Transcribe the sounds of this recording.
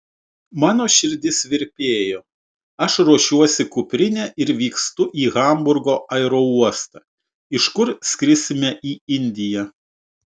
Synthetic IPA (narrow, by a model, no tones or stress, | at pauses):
mɑːnoːʃʲɪɾʲd̪ʲɪsʋʲɪɾʲpʲeːjoː | ɐʃɾuɔʃʲuɔsʲɪkʊpʲɾʲɪnʲɛʔɪɾʋʲiːkst̪ʊʔiːɣɐˑmbʊɾɡoːʔɐɪɾoːuɔst̪ɑ | ɪʃkʊɾsʲkʲɾʲɪsʲɪmʲɛʔiːɪnʲd̪ʲɪjɛ